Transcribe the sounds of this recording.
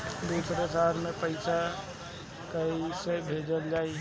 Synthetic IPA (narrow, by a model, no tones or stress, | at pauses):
d̪uːsɾesaːɾmẽpəɪsa | kəisebʱeːd͡ʒəld͡ʒaːi